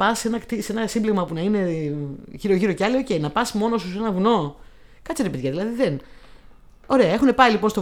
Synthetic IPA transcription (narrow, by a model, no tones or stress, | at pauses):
pɐse̞nɐkt̪ise̞nɐsimbleɣmɐpunɐine̞ | ʝiɾo̞ʝiɾo̞ceɐlio̞ce̞jinɐpɐsmo̞no̞suse̞nɐvuno̞ | kɐt͡siɾepeðʝɐðilɐðiðe̞n | o̞ɾe̞ɐe̞xune̞pɐilipo̞nst̪o